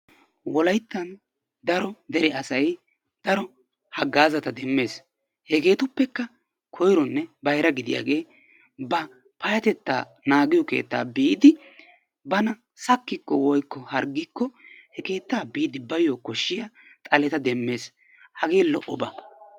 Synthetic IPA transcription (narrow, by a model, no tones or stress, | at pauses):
wɔlɐjt̪ːɐn | d̪ɐɾɔd̪ɛɾɛɐsɐj | d̪̥ɐɾɔ | hɐɡːaːzɐt̪ɐd̪ɛmːe̞ːs | hɛke̞ːt̪ʊpːɛkːɐ | kʰɔjɾɔnːɛbɐjɾɐɡɪd̪ɪja̰ːɡe̞ː | bɐ | pɐjɐt̪ɛt̪ːa̰ː | naːɡɪjɔke̞̰ːt̪ːa̰ːbiːd̪ɪ | bɐnɐ | sɐkːɪkːɔwɔjkːɔhɐɾɡɪkːɔhɛke̞ːt̪ːaːbiːd̪ɪbɐjoːkɔʃːɪjɐt̪ʼɐlɛt̪ɐd̪ɛmːe̞ːs | hɐɡe̞ːlɔʔɔbɐ